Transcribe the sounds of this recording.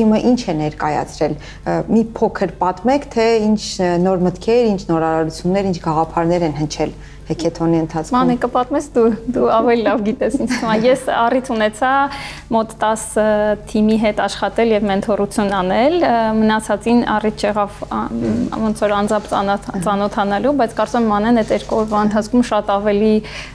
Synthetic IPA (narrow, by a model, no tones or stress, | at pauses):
t̪ʰiməʔint͡ʃʰɛnɛɾkɑjɑ̰t͡sʰɾɛl | mipʰɔkʰəɾpɑt̪mɛkʰt̪ʰɛint͡ʃʰnɔɾmət̪kʰɛɾint͡ʃʰnɔɾɑɾɑɾut͡sʰjunːɛɾint͡ʃʰɡɑʁɑpʰɑɾnɛɾɛnɦənt͡ʃʰɛl | hɛkʰɛt̪ʰɔniənt̪ʰɑt͡smɑnɛkəpɑt̪mɛsd̪ud̪uɑvɛlilɑvɡit̪ɛsint͡ʃʰnʰəmɑnjɛsɑrit̪ʰunɛt͡sʰɑ | mɔt̪ːɑsət̪ʰimiɦɛt̪ɑʃχɑt̪ɛljɛvmɛnt̪ʰɔrut͡sʰjunɑnɛlmənɑt͡sʰɑt͡sinɑ̰rit̪̚ʰt͡ʃʰɛʁɑv̰ | vɔnt͡sʰɔɾɑnd͡zɑmp̪t͡sɑnɔt̪ʰɑnɑlubɑjt͡sʰkɑɾt͡sumɛmɑnɛnɛt̪ɛɾkɔɾvɑənt̪ʰɑt͡sʰkʰumʃɑt̪ɑvɛli